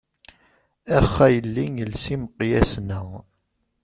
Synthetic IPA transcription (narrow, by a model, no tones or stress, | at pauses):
æχːæjəlːiŋəlsiməqːjæsnəʁ